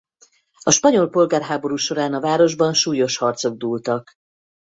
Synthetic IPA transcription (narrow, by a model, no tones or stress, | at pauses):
ɒʃpɒɲo̞lpo̞lɡaːrɦaːbo̞ɾuːʃo̞ɾaːnɒvaːɾo̞ʒbɒnʃuːjo̞ʃhɒrt̪so̞ɡ̚d̪uːlt̪ɒk